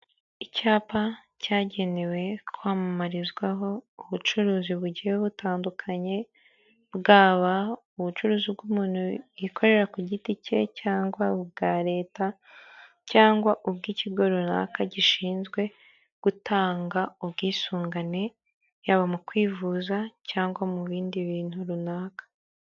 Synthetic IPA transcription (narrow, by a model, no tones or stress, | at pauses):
icaːpa | caːɟe̞newe̞kʰwaːmamaɾizɡwaɦo̞uβut͡ʃuɾuːziβuɟiheβutaːndukʰaɲe̞ | bɡaːβa | uβut͡ʃuɾuːzib̚ɡumuːnhujikʰo̞ɾe̞ɾakuɟitice̞̰caːŋɡwaubɡaːɾe̞ːta | caːŋɡwaʔubɡiːciɡo̞ɾuna̰ːkaɟiʃiːnzɡwe̞ | ɡ̥utʰaːŋɡaubɡiːsuːŋɡane̞ | jaβamukwiːvuːzacaːŋɡwamuβiːndiβiːn̥huɾunaːkḁ